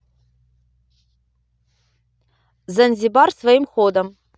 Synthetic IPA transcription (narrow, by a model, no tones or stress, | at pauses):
zɐnʲzʲibarsvajimχod̪ɐm